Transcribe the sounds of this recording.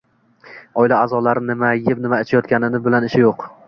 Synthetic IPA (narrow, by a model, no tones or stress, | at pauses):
ɒɪlaːzɒlaɾɪnɪmajɪpnɪmaɪt͡ʃʰajɒt̪̚kʲanɪnɪbɪlanɪʃɪjoq